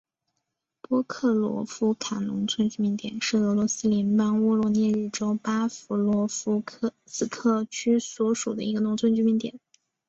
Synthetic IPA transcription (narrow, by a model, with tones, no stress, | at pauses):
pwɔ˥kʰɤ˥˩lwɔ̰˧˥fu˥kʰa˨˩nnʊ˧˥ŋt͡sʰwə˥nt͡ɕy˥˩mi˧˥ŋt̪jɛ̰˨˩˦nʂɻ̩˥˩ɤ˧˥lwɔ˧˥sɹ̩˥ljɛ˧˥npɑ˥ŋwɔ˥lwɔ˥˧njɛ˥˧ɻɻ̩˥˩ʈ͡ʂo˥ʊpa˥fu˧˥lwɔ˧˥fu˥kʰɤ˥˩sɹ̩˨˩kʰɤ˥˩t͡ɕʰy˥swɔ˧˥ʂu˨˩d̪ə̰˦i˧˥ɡə˧nʊ˧˥ŋt͡sʰə˥nt͡ɕy˥mi˧˥nt̪jɛ̰˨˩˦n